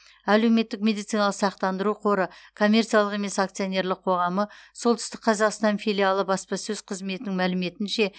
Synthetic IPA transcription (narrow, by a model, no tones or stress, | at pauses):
æle̞wme̞t̪ːɪkmʲe̞d̪it̪sijnalˠəqsɑq̚t̪ɑnd̪əɾuqʰo̞ɾəkʰo̞mʲːe̞ɾrt̪sijalˠəqe̞me̞sakt̪sio̞ne̞ɾlɪqʰo̞ʁɑməsolˠt̪ʰʏst̪ɪk̚qʰɑzɑqst̪ɑnfʲijlʲialˠəbɑspɑsɵz̥qʰəzme̞t̪ɪnɪŋmælɪme̞t̪ɪnʃe̞